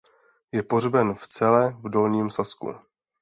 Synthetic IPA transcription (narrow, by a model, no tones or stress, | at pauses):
jɛpo̞r̝bɛnft͡sɛlɛvdo̞lɲiːmsaskṵ